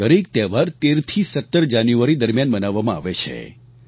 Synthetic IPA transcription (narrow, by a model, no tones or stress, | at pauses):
əɾek̚t̪ɛʋaɾt̪eɾt̪ʰisət̪ːəɾd͡ʒanjuʋaɾid̪əɾmjanbənaʋːamãa̰ʋet͡ʃʰḛ